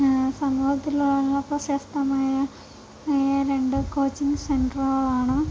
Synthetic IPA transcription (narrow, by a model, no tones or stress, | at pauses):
sɐmuːhɐt̪ːiluɭɐlːɐprɐɕɐːst̪ɐmaːjɐ | ɾe̞ɳɖɨkoːt͡ɕːiŋɡsenɖrɐlaːɳɨ